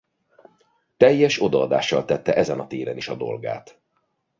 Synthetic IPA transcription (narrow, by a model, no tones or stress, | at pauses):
t̪ɛjːɛʃo̞d̪ɒɒd̪a̰ːʃːɒlt̪ɛt̪ːɛʔɛzɛnɒt̪eːɾɛniʃɒd̪o̞̰lɡa̰ːt̪